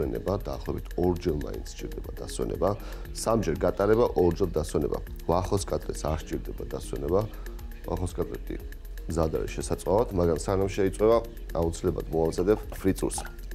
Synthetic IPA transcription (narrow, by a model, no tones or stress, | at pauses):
ɛnɛ̰bad̪aːχlˠɔɛbit̪ʰɔɾd͡ʒɛlˠma̰insʰt͡ʃʼiɾd̪ɛbad̪aswɛ̰nɛ̰ba | samd͡ʒɛɾɡat̪ʼaɾɛbaʔɔɾd͡ʒɛlˠd̪aswɛnɛba̰ | vaχɔskʼat̪ʼɾɛ̰saɾʃt͡ʃʼiɾd̪ɛbad̪aswɛ̰nɛba | va̰χɔskʼat̪ʼɾɛ̰t̪ʼḭ | mzad̪a̰ɾɛ̰ʃɛsat̪sʼavat̪ʰmaɡɾamsanamʃɛit̪sʼwɛba | aut̪sʰilɛblˠa̰d̪mɔamzad̪ɛpfɾit̪sʼṵs